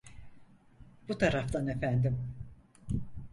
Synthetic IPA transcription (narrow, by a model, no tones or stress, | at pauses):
b̥ut̪ʰaɾaft̪ʰane̞fænd̪im